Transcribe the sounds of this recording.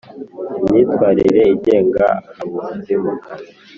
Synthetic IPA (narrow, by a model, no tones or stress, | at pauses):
mɲiːtwaːɾiɾeiɟeːŋɡa̰ːβusizimuka